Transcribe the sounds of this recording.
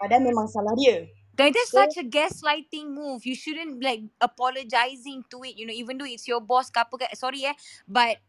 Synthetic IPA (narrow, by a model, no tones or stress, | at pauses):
adanmẽmãŋsalahdiə | dãdɛtsat͡ʃəɡɛslaɪtɪ̃ŋmuvjuʃudə̃nlaɪk̚əpɔləd͡ʒaɪzɪ̃ŋtuɪt̚junoivə̃ndoɪtsjɔbɔskapəkaʔsɔɹiɛbat̚